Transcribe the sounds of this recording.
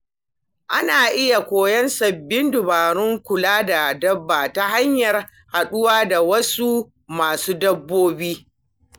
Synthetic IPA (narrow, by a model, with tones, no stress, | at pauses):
ʔa˦naː˨ʔɪ˦ja˨kʷoː˨jɐ˦nsɐ˨bːɪ˦ndʊ˨baː˨ɽʊ˦ŋkʷʊ˨laː˦da˨dɐ˦bːaː˨ta˦ɦa˦ɲjɐ˨r | ha˨ɗʊ˦waː˦da˨wɐ˦su˦ | maː˨suː˦dɐ˦bːoː˦biː˦